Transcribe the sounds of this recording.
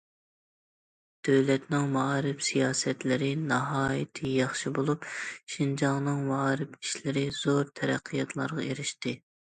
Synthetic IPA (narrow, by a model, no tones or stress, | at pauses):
d̪̥øwlɛt̪nɪŋmɑɾɪfsijɑːsɛt̪lɪɾɪnɑɦɑːjit̪ʰɪjɑχʃibolˠupʃind͡ʒɑŋnɨŋmɑɾɪfiʃlɪɾɪz̥oɾt̪ʰɛɾɛqʰːɨjɑt̪ʰlˠɑ̰ɾʁɑeɾɪʃt̪ɪ